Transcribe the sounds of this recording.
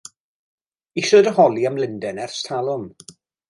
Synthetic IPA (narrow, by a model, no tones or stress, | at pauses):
isɔdəhɔlˠiamlɪndɛnɛrstʰalˠʊm